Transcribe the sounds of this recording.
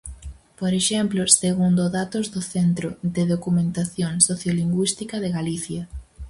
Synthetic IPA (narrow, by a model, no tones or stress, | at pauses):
poɾeʃɛmploseɣund̪oðat̪ozðoθent̪ɾoðeðokumẽnt̪aθjoŋsoθjoliŋɡwist̪ikɐðeɣaliθjɐ